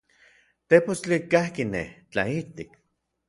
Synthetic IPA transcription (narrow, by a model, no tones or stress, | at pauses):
t̪epost͡ɬikahkinḛht͡ɬa̰it̪ik